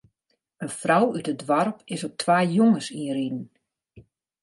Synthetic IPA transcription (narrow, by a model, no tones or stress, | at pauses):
ənfrɔwytədʋarpʰɪsɔk̚tʰʋaːjoŋəsiridn̩